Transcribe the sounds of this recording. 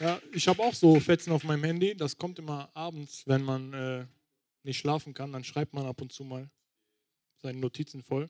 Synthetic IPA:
jaːɪçhaːbəaʊxz̥oːfɛt͡sn̩aʊfmaɪnəmhɛndidaskʰɔmtʔɪmɐʔaːbm̩t͡sv̥ɛnmanʔɛː | ɪçtʃlaːfn̩kʰandanʃʁ̥aɪp̚tmanapʊntt͡suːmaːl | z̥aɪnənotʰiːt͡sn̩fɔl

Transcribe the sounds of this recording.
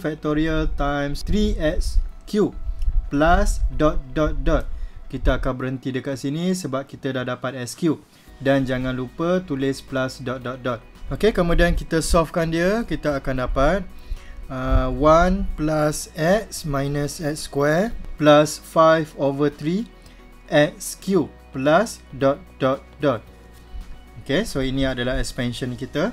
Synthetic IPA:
fɛk̚t̪oɾialt̪ajmst̪ɾiɛtskjuplasdɔt̪̚dɔt̪̚dɔt̪̚kit̪aːkanbəɾənt̪idəkaʔ̚sinĩsəbap̚kit̪adahdapat̪̚ɛskju | dand͡ʒaŋãnlupət̪ulɪsplasdɔt̪̚dɔt̪̚dɔt̪̚okekəmũdiankit̪əsɔfkandiəkit̪əːkandapat̪̚əwanplasɛt̚smãjnəsɛt̪̚skwɛrplasfajvovət̪ɾi | ʔɛt̪̚skju | plasdɔt̪̚dɔt̪̚dɔt̪̚ | okesoinĩadəlaɦɛkspɛnʃə̃nkit̪ə

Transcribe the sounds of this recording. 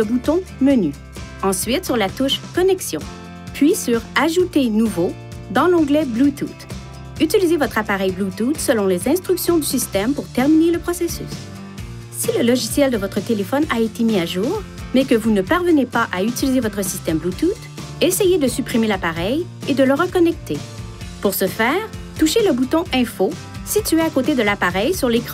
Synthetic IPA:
əbut̪ɔ̃məny | ɑ̃sɥit̪syʁlat̪uʃkɔnɛksjɔ̃ | pʰɥisyʁaʒut̪enuvo | d̪ɑ̃lɑ̃ɡlɛblut̪ut̪ | yt̪ilizevɔt̪χapaʁɛjblut̪ut̪səlɔ̃lezɛ̃st̪χyksjɔ̃d̪ysist̪ɛmpuʁt̪ɛʁmineləpχɔsesy̰s | siləlɔʒisjɛld̪əvɔt̪χət̪elefɔnaet̪emiaʒuːʁ | mɛkəvunəpaʁvənepaʔayt̪ilizevɔt̪χəsi̥st̪ɛmblut̪ut̪ | esɛjed̪əsypʁimelapaʁɛjed̪ələʁəkɔnɛk̚t̪e | puʁsəfɛːʁt̪uʃeləbut̪ɔ̃ʔɛ̃fo | sit̪yeakot̪ed̪əlapaʁɛjsyʁlekʁɑ̃

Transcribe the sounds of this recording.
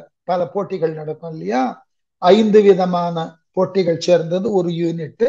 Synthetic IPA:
pɐlɐpoːʈːɪɣɐɭnɐɽɐk̪ːɐ̃ːɪlːɐjaː | ɐɪnd̪ɯʋɪðɐmaːnɐpoːʈːɪɣɐɭt͡ʃeːɾnd̪ɐðɯɔɾɯjuːnɪʈːɯ

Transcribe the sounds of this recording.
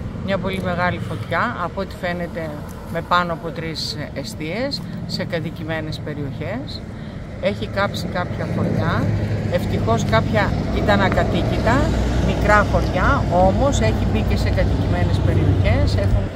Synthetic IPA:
mɲɐpo̞lime̞ɣɐlifo̞t̪çɐɐpoot̪i̥fe̞ne̞t̪e̞ | me̞pɐnoɐpo̞t̪ɾisest̪ie̞sː | e̞kɐt̪icime̞ne̞spe̞ɾio̞çe̞s | e̞çikɐpsikɐpçɐxo̞ɾʝɐe̞ft̪ixo̞skɐpçɐit̪ɐnɐkɐt̪icit̪ɐmikɾɐxo̞ɾʝɐo̞mo̞se̞çibice̞se̞kɐt̪icime̞ne̞spe̞ɾio̞çe̞se̞xun

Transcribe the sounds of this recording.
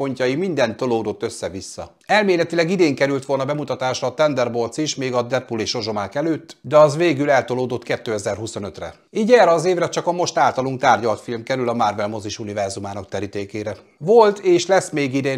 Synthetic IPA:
o̞ɲcɒjimind̪ɛnt̪ːo̞loːd̪o̞t̪ːø̞sːɛvisːɒ̰ | ɛlmeːlɛt̪ilɛɡid̪eːŋkɛɾylt̪ʋo̞lnɒbɛmut̪ɒt̪aːʃrɒːt̪ɛnd̪ɛrbo̞lt̪siʃmeːɡɒd̪ɛtpuleːʃo̞ʒo̞maːkɛløːt̪ːd̪ɛɒzʋeːɡylɛlt̪o̞loːd̪o̞t̪kɛt̪ːøːɛzɛrɦuso̞nø̞t̪rɛ̰ | iːɟɛːrɛɒzeːvɾɛt͡ʃɒkɒmo̞ʃt̪aːlt̪ɒluŋk̚t̪aːrɟɒlt̪filmkɛɾylɒmarvɛlmo̞ziʃunivɛrzumaːnɒkt̪ɛɾit̪eːkeːɾɛ | vo̞lt̪eːʃlɛsmeːɡid̪eːn

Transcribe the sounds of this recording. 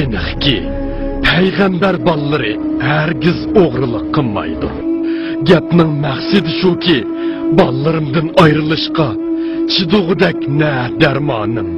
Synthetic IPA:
ɪnɨχkʲi | pʰɛjʁæmbæɾbɑlˠːɨɾɨ̰ | ɦæɾɡʲizoʁɾɨlˠəqʰːəlˠmɑ̰jd̪ṵɾ | ɡʲɛpnɪŋmæχsɪd̪ɪʃukʲʰi | bɑlˠlːˠɨɾɨmd̪ɨnɑjɾɨlˠɨʃqɑ | t͡ʃʰid̪ʊʁɨd̪ɛkʲnɛ | d̪æɾmɑːnɨm

